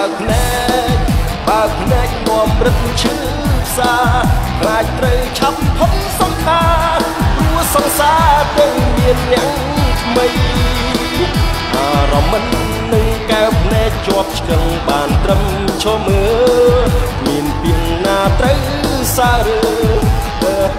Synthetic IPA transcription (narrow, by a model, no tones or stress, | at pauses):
əpʰnaɛ | c̚ | ɓaəpʰnaɛk̚noəmrɨt̪̚mt͡ɕʰɨː | pʰsaːpʰlaːc̚t̪rəwt͡ɕʰat̚t̪ʰomsɑŋkʰaː | ruəsɑŋsaːt̪əwmiənːɛ̆əŋ | t̪ʰməj | ʔaːɾɑmːɨnː | ɨŋkaɛwpʰnaɛc̚t͡ɕoəp̚t͡ɕʰkəŋɓaːnt̪rəm | t͡ɕʰɔːməː | miənpiənːaːt̪rəw | saːɾəː | ʔəː